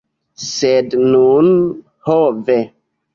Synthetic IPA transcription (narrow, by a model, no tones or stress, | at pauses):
sednun | hove